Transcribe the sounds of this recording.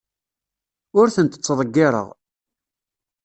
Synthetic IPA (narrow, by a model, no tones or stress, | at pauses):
ʊɾθənt̪ət͡sːðˤəɡːɪɾˤə̰ʁ